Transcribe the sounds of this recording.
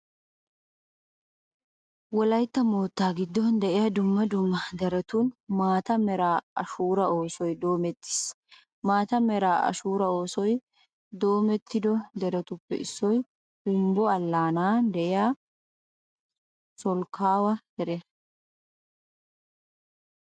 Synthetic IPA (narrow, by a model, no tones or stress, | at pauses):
wɔlɐjt̪ːɐmoːt̪ːaːɡɪd̪ːɔnd̪ɛʔɪjaːd̪ʊmːɐd̪ʊmːɐd̪ɛɾɛt̪uːnmaːt̪ɐmɛɾaːɐʃuːɾɐo̞ːsɔjd̪o̞ːmɛt̪ːɪ̥s | maːt̪ɐmɛɾaːʔɐ̰ʃuːɾɐo̞ːsɔj | d̪o̞ːmɛt̪ːɪd̪ɔd̪ɛɾɛt̪ʊpːɛ̰ʔɪsːɔj | d̪ʊmbɔɐlːaːnaːd̪ɛʔɪjaː | sɔlkːaːwɐd̪ɛɾɛ